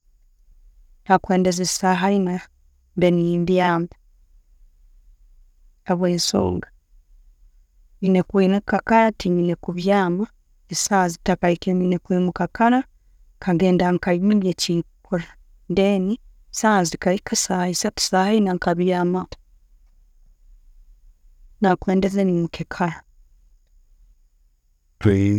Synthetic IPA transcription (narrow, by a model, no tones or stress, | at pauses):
takweːndezesaɦaina | mbenimbjaːmba | aβweːnso̰ːŋɡa | ɲinekwinukakaɾatiɲinekuβjaːma | isazitakaikeminekwiːmukakaɾa | kʰaɡeːndaŋkaimimjecikuɾa | ndeːni | saːzikaikasaisatu̥sahainaŋkaβjaːma | nakweːndezenimukekʰaɾa | twe